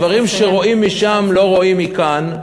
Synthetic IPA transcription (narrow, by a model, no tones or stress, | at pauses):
vaʁimʃe̞ʁo̞ʔimːiʃamlo̞ʁo̞imikan